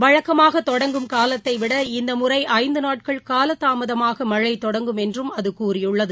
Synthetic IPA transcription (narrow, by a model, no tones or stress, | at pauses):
ʋɐɻɐkːɐmaːɣɐt̪ːɔɽɐŋɡɯmkaːlɐt̪ːɐɪʋɪɽɐɪnd̪ɐmɯrɐɪʔɐɪnd̪ɯnaːʈ̚kɐɭkaːlɐt̪ːaːmɐðɐmaːɣɐmɐɻɐɪt̪ːɔɽɐŋɡɯmɛndrɯmɐðɯkuːrɪjɯɭːɐðɯ